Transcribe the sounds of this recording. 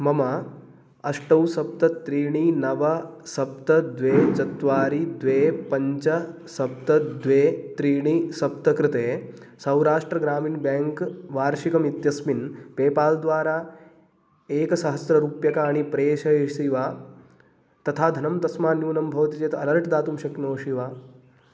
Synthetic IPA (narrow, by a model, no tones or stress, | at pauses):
mɐma | ɐʂʈɐwsɐp̚t̪ɐt̪ɾiːɳ̃iːnɐʋɐsɐp̚t̪ɐd̪ʋeːt͡ʃɐt̪ʋaːɾid̪ʋeːpɐɲt͡ʃɐ | sɐp̚t̪ɐd̪ʋeːt̪ɾiːɳ̃isɐp̚t̪ɐkɾɪt̪eː | sɐwɾaːʂʈɾɐɡɾaːmiːnbɛːŋkʋaːɾʃikɐmit̪jɐsminpeːpaːld̪ʋaːɾaː | eːkɐsɐɦɐsɾɐɾuːpjɐkaːɽ̃ipɾeːʃɐeʂiʋaː | t̪ɐt̪ʰaːd̪ʱɐnɐmt̪ɐsmaːnjuːnɐmbʱɐʋt̪it͡ʃeːt̪ɐlɐɾʈʰd̪aːt̪umʃɐknoːʃiʋaː